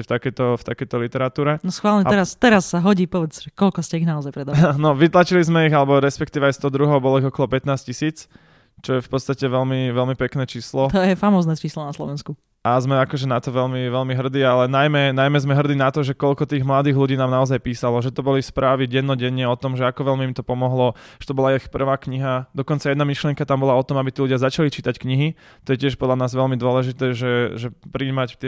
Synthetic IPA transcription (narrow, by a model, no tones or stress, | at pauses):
ft̪akɛjt̪ɔft̪akɛjt̪ɔlit̪ɛɾat̪uːɾɛnɔsxʋaːlɲɛɛɾast̪ɛɾasːaɦɔɟiːpɔʋɛd͡zʒɛkɔlkɔscɛiɣnaɔzajpɾɛd̪anɔʋit̪lat͡ʃilizmɛiɣalɛbɔɾɛspɛkt̪iːʋɛajst̪ɔɦd̪ɾuɦɔʊbɔlɔiɣɔkɔlɔpɛt̪naːscisiːt͡s | t͡ʃɔjɛfpɔt̪t͡sst̪acɛʋɛlmiʋɛlmipɛknɛːt͡ʃiːslɔt̪ɔjɛfamɔːznɛːt͡ʃiːslɔnaslˠɔ̰ʋɛnsku | azmɛakɔʒɛnat̪ɔʋɛlmiʋɛlmiɦr̩d̪iːalɛnajmɛnajmɛzmɛɦr̩d̪iːnat̪ɔʒɛkɔlkɔt̪iːɣmlad̪iːɣluɟiːnaːmnaɔzajpiːsalɔʒɛt̪ɔbɔlispɾʔaːʋiɟɛnːɔɟɛɲɪɛɔt̪ɔmʒɛakɔʋɛlmiːmt̪ɔpɔmɔɦlɔʒɛ̥t̪ɔbɔlaixpr̩ʋaːkɲiɦad̪ɔkɔnt͡sajɛd̪namiʃlɪɛŋkat̪ambɔlaɔt̪ɔmabit̪iːluɟjazat͡ʃalit͡ʃit̪ackɲiɦi | t̪ɔjɛcɪɛʃpɔd̪lʎanaːzʋɛlmid̪ʊɔlɛʒit̪ɛːʒɛʒɛpɾiːmact̪ɪɛ